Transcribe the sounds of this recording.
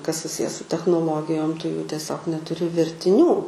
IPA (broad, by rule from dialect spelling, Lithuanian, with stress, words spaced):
kɐs sʊˈsʲɪjɛ sʊ tʲɛxnoːˈlˠoːɡʲɪjoːm tʊ juː tʲiɛˈsʲoːk nʲɛtʊˈrʲɪ ʋʲɛrʲtʲɪˈnʲuː